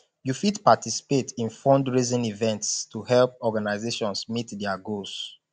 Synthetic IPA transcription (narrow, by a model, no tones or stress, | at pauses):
jufitpatisi̥petĩnfɔ̃ndɹizĩnivɛ̃ntstuhɛlp̚ɔɡanaɪzeʃɔ̃nsmitdɛaɡos